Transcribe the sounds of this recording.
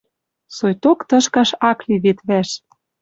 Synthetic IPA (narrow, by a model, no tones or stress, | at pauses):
sojt̪okt̪ɤ̆ʃkɑʃɑkliβet̪βæʃ